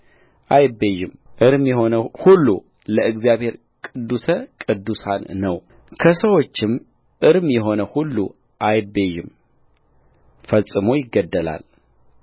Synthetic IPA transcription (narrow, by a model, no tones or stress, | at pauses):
ʔajbejɪmʔɨɾɨmjɛhonəhulːṵ | ləʔɨɡzijaβhe̞ɾ | kʼɨd̪ːusəkʼɨd̪ːusanːəw | kʰəsəwot͡ʃːɪm | ʔɨɾɨmjɛɦo̞nəhulːṵ | ʔajbejɪm | fəsʼɨmo̞jɪɡːəd̪ːəla̰l